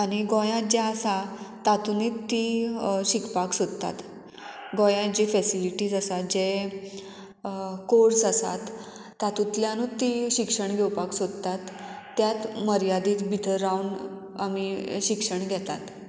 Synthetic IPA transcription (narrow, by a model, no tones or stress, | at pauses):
aɽ̃iɡɔ̃jãd͡ʑeəsat̪at̪unit̪ːiɕikpaksod̪t̪a̰t̪ | ɡɔ̃jãd͡ʑiːfɛsiliʈiːd͡zəsat̪̚d͡ʑe | koɾsəsa̰t̪ː | at̪ut̪ljãnut̪ːiɕikʂəɳɡʱɛwpaksod̪ət̪at̪ː | jat̪məɾjad̪iːt͡s̪bʱit̪ʰəɾːauɳ | a̰miɕikʂəɳɡʱɛt̪a̰t̪